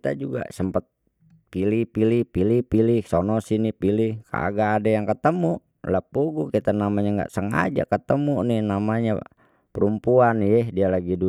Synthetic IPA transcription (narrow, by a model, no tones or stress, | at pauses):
t̪ad͡ʒuɡa̰səmpat̪̚ | pilihpilihpilipilihsɔnɔsinipilihka̰ɡaːdajaŋkət̪əmu | lapuɡukit̪anamaɲaŋɡa̰ʔsəŋa̰d͡ʒa̰kət̪əmuninamaɲa | pəɾumpuanjɛdialaɡidu